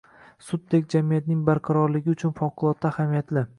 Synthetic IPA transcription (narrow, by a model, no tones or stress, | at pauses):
sʊd̪̚d̪ekʲd͡ʒamijat̪nɪŋbaɾqʰɑɾɒɾlɪɡʲɪʊt͡ʃʰʊnfɒqʰːʊlˠɒt̪ʰːahamijat̪lɪ